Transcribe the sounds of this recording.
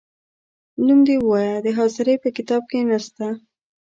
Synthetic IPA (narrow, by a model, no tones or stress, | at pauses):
lumd̪ewəwɑjad̪əɦɑzɪɾejpəkɪt̪ɑb̚kenast̪a